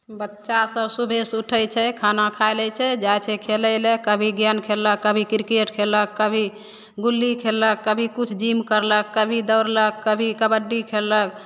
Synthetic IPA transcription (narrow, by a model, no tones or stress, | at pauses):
bətːʃasəbsubʱesuʈʰəjt͡ʃʰɛkʰanakʰaɪləjt͡ʃʰɛd͡ʒajt͡ʃʰɛkʰeləlekəbʱiɡjankʰelːəkːəbʱikiɾkeʈkʰeləkːəbʱi | ɡulːikʰelːəkːəbʱikut͡ʃʰd͡ʒimkəɾləkːəbʱid̪əwɾləkːəbʱikəbəɖːikʰelːək̚